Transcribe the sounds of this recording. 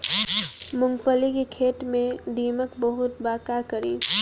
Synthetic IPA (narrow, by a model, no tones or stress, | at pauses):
mʊ̃ŋɡfəlikikʰeːt̪mẽd̪iːməkbɐɦʊt̪baːkaːɾkɐɾiː